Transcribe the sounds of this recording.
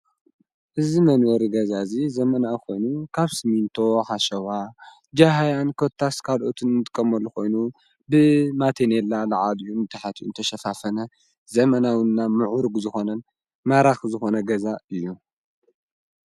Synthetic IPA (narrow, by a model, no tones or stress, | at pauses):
ʔɨzimɐnwɔɾiɡɐzazizɐmɐnawko̞jnukʰaβsɨmint̪ʰo̞ħaʃɐwa | d͡ʒaɦajankʰot̪ʰːaskʰalʔo̞t̪ʰɨnːɨt̪ʼɨkʼːɐmɐlːuko̞jnu | bɨmat̪ʰenelalaʕaliuɨnt̪ʰɨħat̪ʰiʔṵnt̪ʰɐʃɐfafɐnɐ | zɐmɐnawɨnːamɨʕuɾɡuzɨxo̞nɐn | maɾaxzɨxo̞nɐɡɐzaɨjːu